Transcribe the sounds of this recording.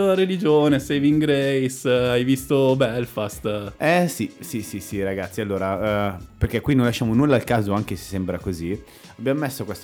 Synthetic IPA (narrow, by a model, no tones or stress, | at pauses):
ɾelid͡ʒoːnesɛjviŋɡɾejsajvist̪obɛlfast̪ɛsisisisiɾaɡat̪sːialːoːɾaperk̟ɛkwinonlaʃːaːmonulːalkaːzoaŋk̟ese̥sːembɾakozi | abːjamomesːokwest̪